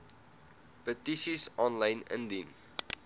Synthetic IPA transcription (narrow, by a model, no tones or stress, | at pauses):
pətiʃisɔ̃nlãɪ̃nɪ̰̃ndin